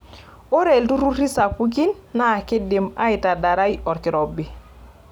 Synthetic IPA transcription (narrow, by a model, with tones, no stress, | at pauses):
o˦ɾɛ˨ltu˦ɾu˦ri˦sa˨ku˦k̬i˦nːa˦˨kɪ˦dɪ˨ma̰˦ɪ˨ta˨da˨ɾa˦jɔ˨ɾkɪ˨ɾɔ˨bi˨